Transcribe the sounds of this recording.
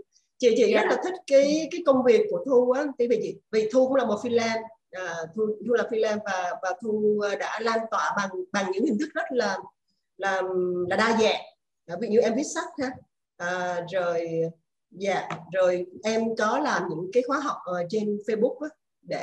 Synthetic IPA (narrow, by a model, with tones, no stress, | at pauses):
t͡ɕḭ˧˩t͡ɕḭ˧˩zə˦˥t̚laː˨˩t̪ʰi˦˥k̚kaː˨˦jkaː˨˦jkə˧wŋ͡mvi˨˩əkːu˧˩ət̪ʰu˧ʔaː˨˦t̪ʰvḭ˨˩t͡ɕḭ˧˨˩vi˨˩t̪ʰu˧kʊ̰˧˥ŋ͡mlaː˨˩mo˨˩fi˧lɛː˧n | ʔəː˨˩t̪ʰu˧t̪ʰu˧laː˨˩fi˧lɛː˧nvaː˨˩vaː˨˩t̪ʰuː˧ɗa̰ː˧˥laː˧nt̪wa̰ː˧˩ɓa˨˩ŋɓa˨˩ŋɲɨ̰˧˥ŋhi˨˩ŋ̟t̪ʰɨ˦˥k̚zə˦˥t̚laː˨˩ | laː˨˩laː˨˩ɗaː˧za̰ː˧˨ʔ | ʔvḭ˧˩ɲi˧˨wʔɛ˧mvi˦˥t̚sa˦˥t̚haː˧ | ʔəː˨˩zo˨˩j | za̰ː˧˨zo˨˩jʔɛ˧mkɔ˨˦laː˨˩mɲɨ̰˧˥ŋkaː˨˦jxwaː˨˦ɦa˨˩wk͡p̚ʔəː˨˩t͡ɕe˧nfe˧jɓʊ˦˥k̚ʔaː˨˦ | ɗe˧˩